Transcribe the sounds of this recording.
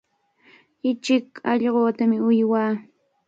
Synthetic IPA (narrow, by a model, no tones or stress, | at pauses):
ɪt͡ʃɪkɑʎɢoːt̪amɪʊjwaː